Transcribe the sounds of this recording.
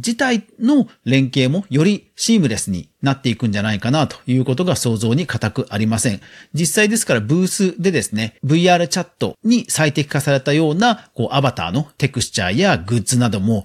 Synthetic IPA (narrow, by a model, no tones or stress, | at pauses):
d͡ʑit̪aino̞ɾẽ̞ŋke̞ːmo̞jo̞ɾʲiɕiːmɯ̟ɾe̞sɨɲ̟ḭnat̪ːe̞ikɯ̟̃ɲ̟d͡ʑanaikanat̪o̞̥jɯ̟ːko̞t̪o̞ɡaso̞ːzo̞ːɲ̟ikat̪akɯ̟ʔaɾʲimasẽ̞ŋd͡ʑisːaid̪e̞sɨ̥kaɾabɯ̟ːsɨd̪e̞d̪e̞sɨne̞bɯ̟iaːɾɯ̟t͡ɕat̪ːo̞̰ɲ̟isait̪e̞kʲi̥kasaɾe̞t̪ajo̞ːnako̞̰ːʔabat̪a̰ːno̞t̪e̞kɯ̟st͡ɕa̰ːjaɡɯ̟t͡sɨnad̪o̞mo̞